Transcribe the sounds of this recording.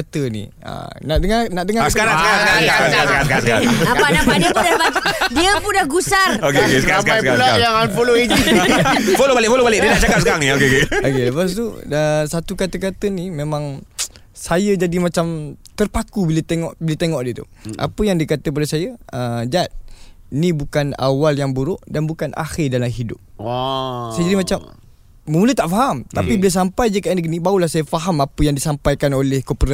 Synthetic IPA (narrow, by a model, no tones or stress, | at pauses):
at̪ənḭ | ə̰naʔdəŋanaʔdəŋasəkaɾaŋskaɾaŋsəkaɾaəkaaaəaɾasəkaɾasəkaɾasəkaɾa̰adiəpadiəpundaɡusarokeokesəkaɾapajskaalajaŋanpəloit̪u | folobalɪʔfolobalɪʔ̚diənaʔt͡ʃaɡasəkaɾaŋniokeokeokeləpas̬t̪uəsat̪ukat̪əkat̪ənimẽmãŋ | sajəd͡ʒadimat͡ʃamt̪ərpakubilət̪eŋɔʔbilət̪eŋɔʔdiət̪ṵ | ʔa̰pəjaŋdikat̪əp̬aləsajəəd͡ʒat̪̚ | inĩbukana̰waljaŋbuɾʊʔdanbukana̰xɪrdalamɦidʊ̰p̚ | sajəd͡ʒadimat͡ʃamː | əmulət̪aʔfaɦamt̪apibiləs̬ampajd͡ʒəkaʔnəɡənibaulahsajəfaɦamapəjaŋdisampajkanolɛhkopəɾa